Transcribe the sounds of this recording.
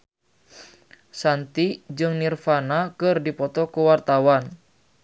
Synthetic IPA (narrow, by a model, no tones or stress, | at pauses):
sant̪id͡ʒɨŋnirfanakɨrdipɔt̪ɔkuwart̪awan